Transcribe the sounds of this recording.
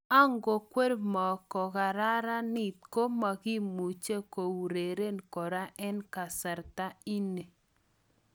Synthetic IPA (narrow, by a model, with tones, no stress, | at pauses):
a˦ŋɡo˨kwe˦ɾmɔ˨kɔ˨ɣa˨ɾa˦ɾa˦ni˨t̪̚ko˦ma˨ɡi˦mu˨t͡ʃe˦ko˨wɾe˨ɾe˦nkɔ˨ɾa˦ʔɛ˦nka˨sɛ˨ɾt̪a˦i˦ne˨